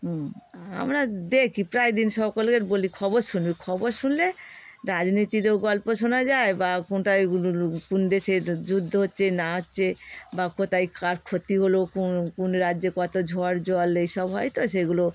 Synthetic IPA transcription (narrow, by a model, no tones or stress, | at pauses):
a̰mɾad̪ekʰipɾajd̪inʃɔkolkeɾbolikʰɔboɾʃunbikʰɔboɾʃunleɾad͡ʑnit̪iɾeɡɔlpoʃonad͡ʑaebakonʈakund̪eʃeɾd͡ʑud̪ʱːoɦotːɕʰenaɦotːɕʰebakot̪ajkaɾkʰot̪iɦolokkunɾadːd͡ʑekɔt̪od͡ʑʱoaɾd͡ʑɔlejʃɔbɦɔjt̪oʃeɡulo